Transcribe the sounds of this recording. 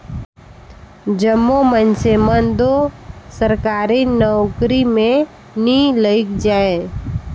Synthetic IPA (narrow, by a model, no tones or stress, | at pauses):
d͡ʒəmːomənsemənd̪osəɾkaːɾinɔʊkɾimẽ | nĩləɪkd͡ʒaːẽ